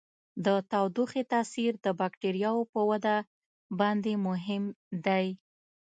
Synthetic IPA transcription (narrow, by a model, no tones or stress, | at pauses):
d̪ət̪awd̪uxet̪ɑsiɾd̪əbɑkʈeɾjɑwopəwad̪a | bɑnd̪emʊɦɪmd̪aj